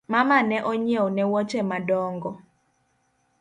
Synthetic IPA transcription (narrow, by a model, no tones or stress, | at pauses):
mamanɛʔɔɲewonɛwɔt͡ʃemadɔŋɡɔ